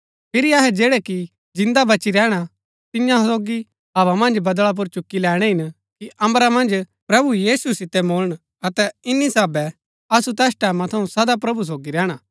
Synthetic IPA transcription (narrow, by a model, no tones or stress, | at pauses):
pʰɪɾiaɦɛd͡ʒɛːɽɛki | d͡ʒɪ̃nd̪abɐt͡ʃiɾɛːɽ̃a | t̪ɪjãsoːɡi | ɦɐʋamɐ̃nd͡ʒbɐd̪ɭap̬ʊɾt͡ʃʊkːilɛːɽ̃ɛɦɪn | kiʔɐ̃mɾamɐ̃nd͡ʒ | pɾɐbujiːsusɪt̪ɛmoːɭəɽ̃ | ɐt̪ɛɪnːisaːbɛ | ɐsut̪ɛːsʈɛːmãt̪ʰɐũsɐd̪apɾɐbus̬oːɡiɾɛːɽ̃a